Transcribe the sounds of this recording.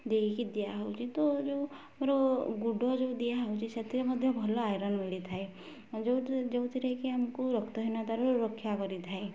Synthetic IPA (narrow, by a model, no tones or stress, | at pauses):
d̪eikid̪ijaɦɔwt͡ʃʰit̪ɔd͡ʒew | mɾɔɡuɖʱɔd͡ʒeud̪ijaɦɔwt͡ʃʰiset̪ʰiɾemɔd̪ʱjɔbʱɔlɔajɾɔnmilit̪ʰae | d͡ʒed͡ʒewt̪ʰiɾejkiamkuɾɔkt̪ɔɦinad̪aɾuɾɔkʰːjakɔɾit̪ʰae